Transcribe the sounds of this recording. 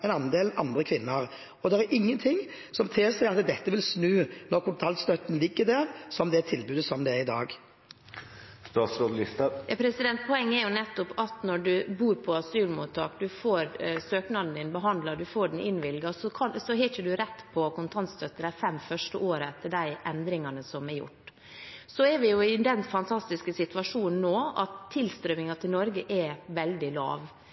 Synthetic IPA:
ɛnɑnd̪eːlnɑ̰nd̪ɾʁəkʰʋɪnːəʁ | ɔd̪ɛɾɛɾʔɪŋːənt̪ʰɪŋ | sɔmt̪ʰeːsæɪɑt̪d̪ɛt̪ːəʋɪlsnʉːnɔɾkʰʊnt̪ʰɑlt̪st̪œt̪ːn̩lɪɡːəd̪æʁsɔmd̪ɛt̪ʰɪlbʉːd̪əsɔmd̪ɛæɾɪd̪ɑ̰ːɡ | st̪ɑːt̪sɾoːd̪lɪst̪ɑɛpʰɾɛsɪd̪ɛnt̪̚pʰɔɛŋːəæɾjʊnɛt̪ːʊpɑt̪nɔɖʉbuːɾpʰɔɑsʉːlmut̪ʰːɑːkd̪ʉfoːɾsøːknɑd̪n̩d̪ɪnbəɦɑnd̪lɑd̪ʉfoːɖɛn̩ɪ̰nʋɪlɡɑsɔkʰɑsɔɦɛçəd̪ʉɾɛt̪ːpʰɔkʊnt̪ʰɑnt̪st̪ʰœt̪ːəɾæfɛmːfœʂʈəʔoːɾəɛt̪ʰːəɖæɪʔɛnd̪ɾɪŋɑnəsɔmɛɾjʊ̰ʈː | sɔɛɾʋɪjʊɪd̪ɛnfɑnt̪ʰɑst̪ɪskəsɪt̪ʉʋɑʂuːnn̩ːoːɑt̪ʰːɪlst̪ɾømɪŋɑt̪ʰɪlnɔɾɡəʔɛʋɛld̪ɪlɑ̰ːʋ

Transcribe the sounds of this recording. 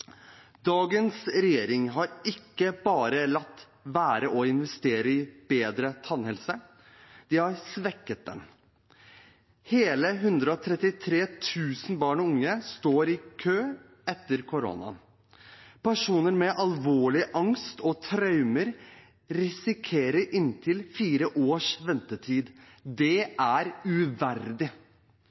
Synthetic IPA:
d̪̥ɑːɡənsɾɛjeːɾɪŋɦɑɾɪkːəbɑːɾəlɑt̪ː | ʋæːɾəʔɔɪnʋɛst̪eːɾəɪb̥eːd̪ɾət̪ʰɑnhɛlsə | d̪̥ɪhɑɾsʋɛkːət̪̚d̪ɛ̰m | heːləɦʉnd̪ɾəɔt̪ʰɾɛt̪ːɪt̪ʰɾeːt̪ʰʉːsn̩bɑːɳɔʊŋːəst̪oːɾɪkʰøː | ɛt̪ːəɾkʰʊɾo̰nɑ̰ | pʰæʂuːnəɾmɛʔɑlʋoːɭɪʔɑŋst̪ɔt̪ʰɾɑʉməɾ | ɾɪsɪkʰeːɾəɾʔɪnt̪ʰɪlfiːɾəʔoːʂʋɛnt̪ət̪ʰiːd̪ | d̪ɛʔæɾʉʋæɾd̪ɪ

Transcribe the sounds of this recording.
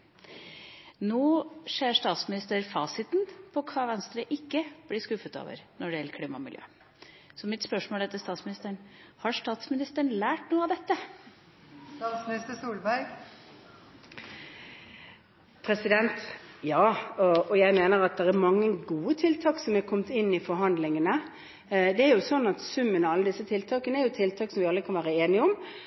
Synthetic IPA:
noːʂeːɾʂt̪ɑːt̪smɪnɪst̪əɾfɑːsɪt̪npʰɔkʰɑːʋɛnst̪ɾəʔɪkːəb̥lɪʂkʉfːət̪ɑ̰ːʋə̰ɾnɔɖɛjɛlːəɾkʰliːmɑ̰mɪljø̰ː | sɔmɪt̪spœʂmoːlɛt̪əst̪ɑːt̪smɪnɪst̪əɳ | hɑʂt̪ɑːt̪smɪnɪst̪əɳ̩læːʈnuːəɑʋd̪ɛt̪ːə | st̪ɑːt̪smɪnɪst̪əsuːlbæɾɡ | pʰɾɛsɪd̪ɛnt̪jɑːɔɔjæɪmeːnəɾɑt̪̚d̪ɛɾɛɾmɑŋːəɡuːət̪ʰɪlt̪ʰɑːksɔmæɾkʰɔmt̪ɪnːɪfɔɾɦɑnd̪lɪŋənə | d̪ɛæɾjʊsɔnːɑt̪sʉmːənɔɑlːəd̪ɪsːət̪ʰɪlt̪ʰɑːkənəæɾjʊt̪ʰɪlt̪ʰɑːksɔmʋɪɑlɾəkɑnʋæːɾəeːnɪəɔm

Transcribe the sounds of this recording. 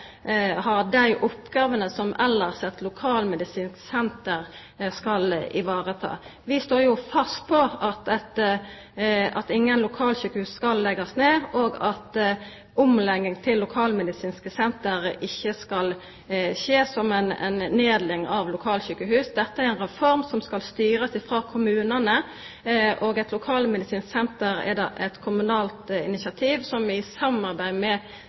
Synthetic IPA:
hɑd̪æɪʔʊpːɡɑːʋənəsɔmɛlːəʁsɛt̪lʊkʰɑːlmɛd̪ɪsiːnsksɛnt̪əɾ | skɑlʔɪ̰ʋɑːʁət̪ʰɑ̰ːʋɪst̪oːjʊfɑst̪̚pʰɔɑt̪ɛt̪ | ʔɑt̪ɪŋːənlʊkʰɑːlɕykəhʉːskɑlːɛɡɑsneːoːɡɑt̪ | ʊmlɛŋːɪŋt̪ʰɪlːʊkʰɑːlmɛd̪ɪsiːnskəsɛnt̪əɾʔɪçːəskɑl | çeːsɔmɛnɛ̰nneːd̪lɪŋɑʋlʊkʰɑːlçykəɦʉːsd̪ɛt̪ːəæɾɛɪnʁɛfɔʁmsɔmskɑlst̪yːɾəsɪfʁɑːkʰʊmʉːnənə | ʔoːɡɛt̪lʊkʰɑːlmɛd̪ɪsiːnsksɛnt̪əɾɛ̰d̪ɑʔɛ̰t̪kʰʊmʉnɑːlt̪ɪ̰nɪsɪɑt̪ʰiːʋsɔmɪsɑmɑʁbæɪmɛ

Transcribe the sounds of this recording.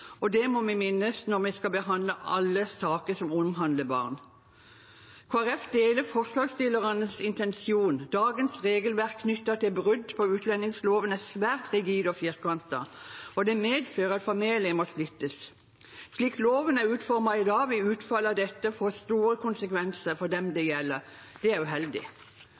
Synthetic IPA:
ɔd̪ɛmɔmɛmɪnːəsnɔʁmɛskɑbəɦɑnd̪ləʔɑlːəsɑːkəsɔmʊmɦɑnd̪ləbɑ̰ːʁn | kʰɑʁɛfd̪eːləfɔʁsɑst̪ɪləʁənəsɪnt̪ɛnsɪuːnd̪ɑːɡənsʁeːɡəlʋæʁkʰːnʏt̪ːət̪ɪlbʁʉd̪pʰɔʉːt̪ʰlɛnɪŋsloːʋənæsʋæːʁt̪ʁɪɡiːd̪ɔfjɪʁkɑnt̪ə̰ɔd̪ɛmeːd̪føːʁəɑt̪fɔmeːlɪəmɔslɪt̪ːəs | sliːkloːʋənæʉːt̪fɔʁmɑɪd̪ɑːʋɪʉːt̪fɑlːɑd̪ɛt̪ːəfoːst̪uːʁəkʊnsəkʰʋɛnsəfɔd̪ɛmd̪ɛjɛlːəʁ | d̪̥ɛæʁjʊɦɛld̪ɪ̰

